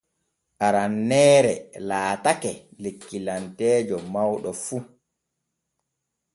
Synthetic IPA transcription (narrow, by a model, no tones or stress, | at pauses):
ʔaɾanːɛːɾɛlaːtakɛlekːilantɛːd͡ʒɔmawɗɔfu